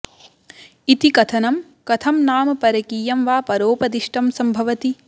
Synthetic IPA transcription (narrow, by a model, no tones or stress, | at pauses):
it̪ikɐt̪ʰɐnɐm | kɐt̪ʰɐmnaːmɐpɐɾɐkiːjɐmʋaːpɐɾoːpɐd̪iʂʈɐmsɐmbʱɐʋɐt̪i